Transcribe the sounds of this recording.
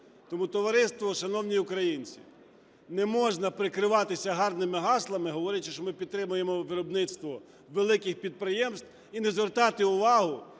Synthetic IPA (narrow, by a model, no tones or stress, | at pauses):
t̪ɔmut̪ɔʋɐɾɪst̪ʋɔʃɐnɔwnʲijʊkɾɐjinʲt͡sʲḭ | nɛmɔʒnɐpɾɪkɾɪʋɑt̪ɪsʲɐɦɑrnɪmɪɦɑslˠɐmɪɦɔʋɔɾʲɐt͡ʃɪʃt͡ʃɔmɪpʲid̪t̪ɾɪmʊjemɔʋɪɾɔbnɪt̪st̪ʋɔ | ʋelˠɪkɪxpʲid̪̚pɾɪjɛmst̪ | inɛzʋert̪ɑt̪ɪʊʋɑɦʊ